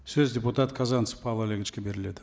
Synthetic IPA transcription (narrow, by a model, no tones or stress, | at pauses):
sɵzdʲeput̪at̪kʰazanspʰɑlˠalʲeɡʲɪt͡ʃkʲebe̞ɾɪle̞d̪ɪ